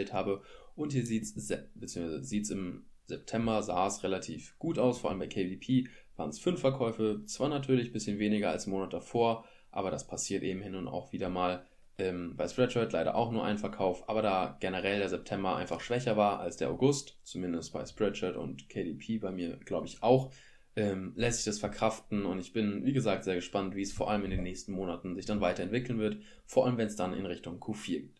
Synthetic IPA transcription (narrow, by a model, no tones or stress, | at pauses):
ɛlthaːbəʔʊnthiːɐziːtsbət͡siːəŋsvaɪzəziːtsɪmzɛp̚tʰɛmbɐzaːəsʁelatʰiːfɡ̥uːtaʊsfoːɐʔaləmbaɪkʰeɪvipʰiː | v̥aːʁənsfʏnfɛɐkʰɔʏfət͡sv̥aːɐnatʰyːɐlɪçb̥ɪsçənveːnɪɡɐa̰lsɪmːoːnat̚d̥afoːɐ | ʔa̰ːbɐɾaspʰasiːɐtʔeːbm̩hɪnʊna̰ʊxv̥iːdɐmaːl | ʔɛːmbaɪspʁɛt͡ʃɐtlaɪɾɐ̰ʔa̰ʊxnuːɐʔaɪnfɛɐkʰaʊfʔa̰ːbɐdaːɡ̥ɛnəʁɛldeːɐzɛp̚tʰɛmbɐʔa̰ɪnfaχʃv̥ɛçɐvaːɐʔa̰lsd̥eːɐʔa̰ʊɡʊstt͡sumɪndəst̚b̥aɪspʁɛt͡ʃɐtʊ̰ntkʰɛɪdipʰiːbaɪmiːɐɡ̥laʊbəɪçʔaʊx | ʔɛːmlɛstz̥ɪçd̥asfɛɐkʁ̥aftn̩ʊntɪçb̥ɪnviːɡəzaːk̚tz̥eːɐɡəʃpantv̥iːɛsfoːɐʔaləmɪndeːnːɛːçstn̩moːnatn̩zɪçd̥anvaɪtɐɛntv̥ɪkl̩nvɪɐt | foːɐʔaləmvɛnsd̥anɪ̰nʁɪçtʊŋkʰufiːɐɡiːt